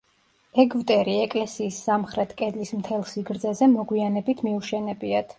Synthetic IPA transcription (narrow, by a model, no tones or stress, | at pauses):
ɛɡvt̪ʼɛɾiɛkʼlɛsiːsːamχɾɛt̪ʰkʼɛd̪lismt̪ʰɛlˠsiɡɾd̪zɛzɛmɔɡwianɛbit̪ʰmiuʃɛnɛbiat̪ʰ